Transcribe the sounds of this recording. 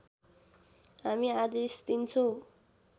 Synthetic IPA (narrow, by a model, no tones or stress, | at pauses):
ɦamiadest̪int͡sʰo